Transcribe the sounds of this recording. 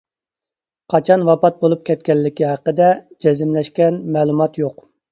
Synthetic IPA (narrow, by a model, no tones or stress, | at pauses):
qʰɑt͡ʃʰɑnwɑpɑt̪̚bolˠup̚kʲʰɛt̪̚kʲɛlːɪkʲiɦɑqəd̪ɛd͡ʒɛzɪmlɛʃkʲɛnmɛːlˠumɑt̪joq